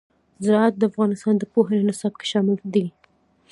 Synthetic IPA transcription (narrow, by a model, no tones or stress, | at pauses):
zɾɑat̪̚d̪əafɣɑnɪst̪ɑnd̪əpoɦanenɪsɑb̚ke̥ʃɑmɪld̪i